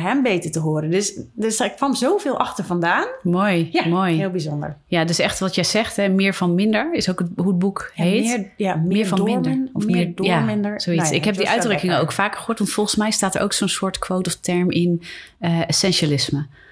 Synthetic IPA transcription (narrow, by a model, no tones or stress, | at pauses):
ɦɛmbeːtəɹtəɦoːɾədøsdskʋɑmzowveːlˠʔɑxtəɹvɑndaːnmojamojɦɪlˠbizɔndə̰ɹjadøsɛχtʋɑtjɛjz̥ɛχtɦɛmɪːɹvɑnmɪndəɹɪsowkətɦuət̚bukheːtmɪːɹfɑmɪndəɹɔfmɪdjamɪndəsoisɪkhɛp̚diʔœɥdrøkɪŋəo̰wkfaːkχəhoːɹtʋɑntfɔlˠχənsmɛjstaːtə̰ɹʔo̰wksoːnsʊːɹtkʋowtɔftɛɹmɪnəesɛnʃalɪsmə